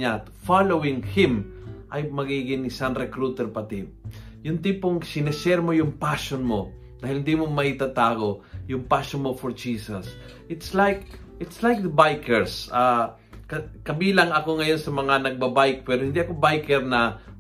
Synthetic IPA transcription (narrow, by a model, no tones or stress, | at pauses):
at̪falowɪŋhɪ̃mʔɐjmɐɡiɡɪŋɪsaŋɾɛkɾut̪ɛɾpɐt̪ɪ | jʊnt̪ipoŋsɪnɪsɛɾmojʊŋpaʃonmo̞ | d̪aːhɪlhɪnd̪imomɐʔit̪at̪aːɡo̞jʊŋpaʃonmofoɹd͡ʒiːsɐs | ʔɪt̪slajk | ʔɪt̪slajk̚d̪ɐbajkɛɹsa | kɐkɐbiːlɐŋɐko̞ŋɐjo̞nsɐmɐŋanɐɡ̚bɐbajk̚pɛːɾohɪnd̪iɐkobajkɛɾnɐ